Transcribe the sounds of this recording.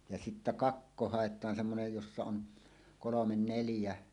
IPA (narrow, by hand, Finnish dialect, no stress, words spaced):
jɑ sitːæ kɑkːo hɑˑetˑɑːn semːonej josːɑ on kolomen neljæ